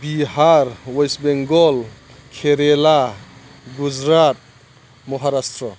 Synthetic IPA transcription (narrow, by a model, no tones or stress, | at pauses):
biɦaɾwɔjsbeŋɡɔl | kʰeɾela | ɡud͡ʒɾat̪̚ | mɔɦaɾastɾɔ